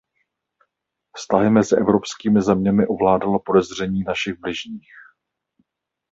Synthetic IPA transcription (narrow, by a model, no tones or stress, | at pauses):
fst̪aɦɪmɛzɪʔɛvɾo̞pskiːmɪzɛmɲɛmɪʔo̞vlaːdalopo̞dɛzr̝ɛɲiːnaʃɪɣblɪʒɲiːx